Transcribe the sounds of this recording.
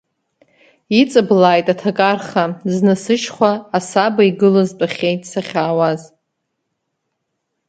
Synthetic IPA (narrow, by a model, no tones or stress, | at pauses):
it͡sʼɨblaːjtʼatʰakʼarχaznɨsɨʃχʷaːsabaiɡɨlazpʼaχʲejtʼsaχʲaːwaz